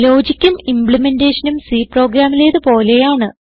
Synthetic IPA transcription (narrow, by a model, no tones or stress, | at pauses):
lo̞ːd͡ʑikʲːumimpɭimendeːʂɐnumsiːpro̞ːɡɾaːmile̞ːðɨpo̞ːle̞jaːɳɨ